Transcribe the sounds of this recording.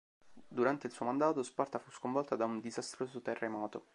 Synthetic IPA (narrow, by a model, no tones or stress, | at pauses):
d̪uɾant̪eilsuːomand̪aːt̪ospart̪afuskoɱvɔlt̪ad̪aund̪izast̪ɾoːzot̪erːemɔːt̪o